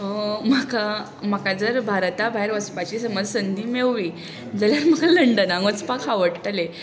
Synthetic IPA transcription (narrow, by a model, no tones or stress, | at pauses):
əmaka | m̤akad͡zəɾbʱaɾt̪abʱaɦeɾʋəspat͡ɕisəməd͡zsənd̪ʱiːmewʋi | d͡zaljaɾm̤əɡaləɳɖənaŋɡət͡spakʰaʋəɽt̪əle